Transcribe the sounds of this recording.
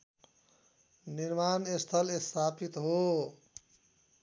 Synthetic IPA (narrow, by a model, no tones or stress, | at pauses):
niɾmaːnest̪ʰʌlest̪ʰaːpit̪ɦo